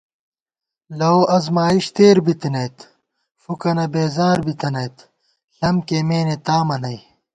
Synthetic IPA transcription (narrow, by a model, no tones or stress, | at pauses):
lɐwʔɐzmaːiɕt̪eːɾbit̪inɐjt̪ | fukɐnɐbeːzaːɾbit̪ɐnɐjt̪ | ɬɐmkeːmeːnet̪aːmɐnɐj